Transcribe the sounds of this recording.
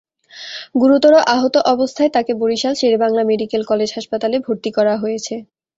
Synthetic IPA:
ɡuɾut̪ɔɾoʔaɦot̪oʔɔbost̪ʰaet̪akeboɾiʃalʃeɾbaŋlameɖikelkɔled͡ʑɦaʃpat̪alebʱoɾt̪ikɔɾaɦojet͡ɕʰe

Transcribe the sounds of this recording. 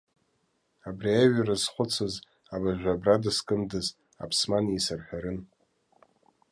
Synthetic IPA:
abriaɥarazχʷʊt͡sʰɨz | abaʒᶣʷabradaskʼɨmdɨz | a̰pʰsmaniesarħᶣaɾɨn

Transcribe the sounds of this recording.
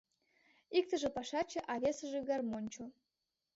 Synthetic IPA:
ik̚t̪ə̆ʒĕpɑʃɑt͡ɕĕʔɑβʲesə̆ʒĕɣɑrmonʲt͡ɕo

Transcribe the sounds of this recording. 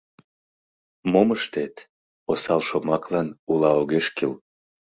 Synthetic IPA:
moməʃt̪et̪ | osɑlʃomɑklɑnulɑoɣeʃkil

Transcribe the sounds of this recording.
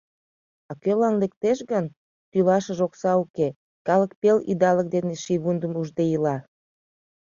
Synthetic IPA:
ɑkølɑnlek̚t̪eʃɣən | t̪ylɑʃəʒoksɑuke | kɑlək̚pelḭd̪ɑlək̚d̪eneʃiβund̪əmuʒd̪ejilɑ

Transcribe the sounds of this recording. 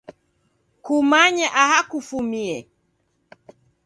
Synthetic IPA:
kumaɲaʔahakufumiɛ

